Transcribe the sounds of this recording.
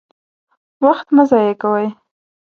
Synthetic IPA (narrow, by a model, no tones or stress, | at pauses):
waxt̪mazɑjekawəj